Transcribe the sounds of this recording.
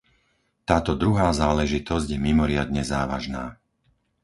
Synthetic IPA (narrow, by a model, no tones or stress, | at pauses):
t̪aːt̪ɔd̪ɾuɦaːzaːlɛʒit̪ɔzɟjɛmimɔɾɪad̪ɲɛzaːʋa̰ʒnaː